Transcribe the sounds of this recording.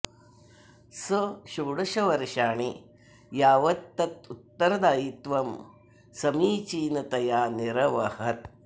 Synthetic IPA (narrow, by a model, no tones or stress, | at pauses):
sɐʃuːɽɐʃɐʋɐɾʃaːɳi | jaːʋɐt̪ːɐt̪ut̪ːɐɾɐd̪aːjit̪ʋɐm | sɐmiːt͡ʃiːnɐt̪ɐjaːniɾɐʋɐhɐt̪